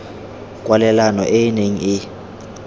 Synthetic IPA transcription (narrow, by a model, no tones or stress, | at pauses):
kʼwalɛlanɔ̰ʔejineŋ̩ɪ